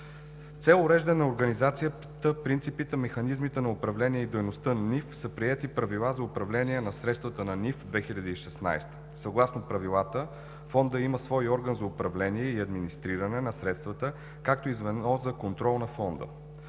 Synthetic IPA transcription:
t̪sɛlˠʊɾɛʒd̪ənɐoɾɡɐnizat̪sijə | t̪əpɾint̪sipit̪ɛmɛxɐnizmit̪ɛnɐʊpɾɐvlɛniɛid̪ɛjnost̪ənɐnifsəpɾiɛt̪ipɾɐvilˠazɐʊpɾɐvlɛniɛnɐsɾɛt̪st̪vət̪ənɐnifd̪vɛxilʲəd̪iiʃɛsna̰jst̪ə̥ | sɐɡlˠasnopɾɐvilˠat̪ə | fɔnd̪əiməsvɔjɔɾɡənzɐʊpɾɐvlɛniɛiɐd̪minist̪ɾiɾənɛnɐsɾɛt̪st̪vət̪ə | kak̚t̪oizvɛd̪nɔzɐkont̪ɾɔlˠnɐfɔnd̪ə̰

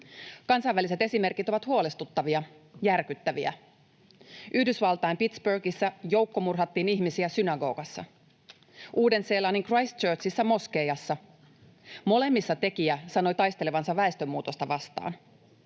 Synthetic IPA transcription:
kɑnsɑjʋːælise̞t̪e̞sime̞rkit̪o̞ʋɑt̪huo̞lest̪ut̪ːɑʋiɑ | jærkyt̪ːæʋiæ̰ | yhdysʋɑlt̪ɑjmpit̪sbørɡisːæjo̞wkːo̞murɦɑt̪ːiːniçmisiæsynɑɡo̞̰ːɡ̥ɑsːɑ̰ | ʔuːde̞nse̞ːlɑːniŋkrɑjst̪t͡ʃøːrsisːæmo̞ske̞jɑsːɑ | mo̞le̞mːisːɑt̪e̞kiæsɑno̞jt̪ɑjst̪e̞le̞ʋɑnsɑʋʋæest̪ømːuːt̪o̞st̪ɑʋɑst̪ɑ̰ːn

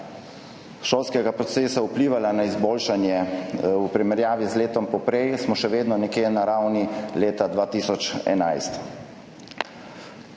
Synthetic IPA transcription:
ʃoːlskɛɡapɾɔt̪seːsaupliːʋalanaizboːlʃanjɛupɾimɛɾjaːʋizleːt̪ɔmpɔpɾɛjsmɔʃɛʋeːd̪nɔnɛkeːnaɾawnileːt̪ad̪ʋaːt̪iːsɔt͡ʃɛ̰najst̪

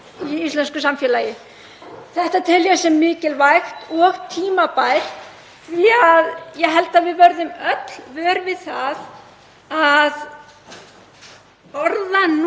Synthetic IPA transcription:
iist̪lɛnskʏsamfjɛːlaːjɪ | θɛht̪at̪ʰɪljɛsɛmːɪːcɪlvajxt̪ɔɣt̪ʰiːmapaːjɾ̥ | θviaðjɛɦɛlt̪aðvɪðvœɾðʏmœt̪l̥vœːɾvɪðθað | að | ɔɾðan

